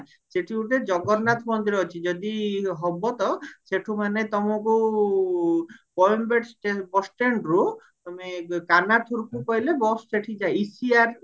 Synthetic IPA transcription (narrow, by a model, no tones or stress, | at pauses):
seʈʰiuʈed͡ʒɔɡɔɾnat̪ʰmɔnd̪iɾːt͡ʃʰid͡ʒɔd̪iɦɔbɔt̪ɔseʈʰumanet̪ɔmɔku | pɔjmbeʈsʈebɔsʈeɳɖɾu | t̪ɔmekanat̪ʰuɾkukɔɦilebɔsseʈʰid͡ʒaeisiaɾ